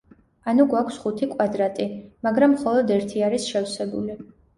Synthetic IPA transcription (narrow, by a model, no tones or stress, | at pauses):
anuɡwakʰsχut̪ʰikʼwad̪ɾat̪ʼimaɡɾamːχɔlˠɔd̪ɛɾt̪ʰiaɾisʃɛwsɛbṵli